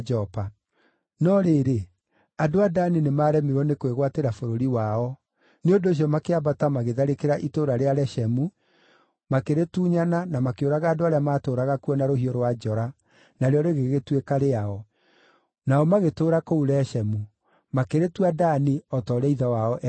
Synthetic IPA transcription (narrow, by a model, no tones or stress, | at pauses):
d͡ʒɔpa | nɔɾeːɾe | adoadaninemaːɾɛmeɾwɔnekoweɣwateɾafoɾoɾiwaɔ | neondoːɕ̬iɔmakeabatamaɣeðaɾekeɾaʔitoːɾaɾeaɾɛʃɛmu | makeɾetuːɲananamakeoɾaɣaːdoaɾeamaːtoːɾaɣakuɔnaɾohiɔɾwad͡ʒɔɾa | naɾeɔɾeɣeɣetwekaɾeaɔ | naɔmaɣetoːɾakouɾɛʃɛmu | makeɾetwadaniɔtɔɾɛiðawaɔʔ